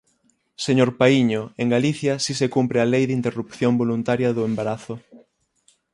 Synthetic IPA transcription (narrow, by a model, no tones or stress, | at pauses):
seɲoɾpaiɲoeŋɡaliθjɐsisekumpɾɪalejðint̪erupθjombolunt̪aɾjɐðʊembaɾaθʊ